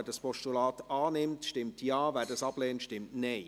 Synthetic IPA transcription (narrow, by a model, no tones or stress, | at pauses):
dɑspɔʃtulɑːtɑːnɪmtʃtɪmtjɑːvɛdɑsɑb̥lɛːntʃtɪmtneɪ